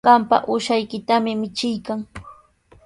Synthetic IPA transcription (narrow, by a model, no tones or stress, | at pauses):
ɢɑmpa̰ʔʊʃajkɪt̪amɪmɪt͡ʃɪjkaŋ